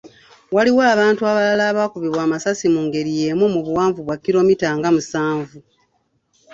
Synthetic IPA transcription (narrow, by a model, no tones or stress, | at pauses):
waliwaːβaːntuaβalalaːβakuβiβwaːmasasimuːŋɡe̞ɾije̞mumuβuwaːɱvuβwakːiɾo̞mitaːŋɡamusaːɱvu